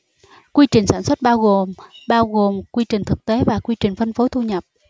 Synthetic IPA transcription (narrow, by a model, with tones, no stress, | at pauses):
kwi˧t͡ɕï˨˩ŋ̟saː˧˩nswə˦˥t̚ɓaː˧wɣo˨˩mɓaː˧wɣo˨˩mkwi˧t͡ɕï˨˩ŋ̟t̪ʰɨ˨˩k̚t̪e˨˦vaː˨˩kwi˧t͡ɕï˨˩ŋ̟fə˧nfo˨˦jt̪ʰu˧ɲə˨˩p̚